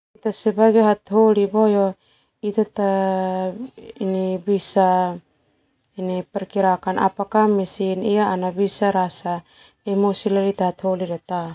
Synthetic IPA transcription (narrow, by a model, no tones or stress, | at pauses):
it̪asebaɡeɦat̪holibojɔ | it̪at̪a | inibisa | inipɛɾkiɾakanʔa̰pakamisinijaanabisaɾasa | emosilalit̪aɦat̪holiɾɛt̪a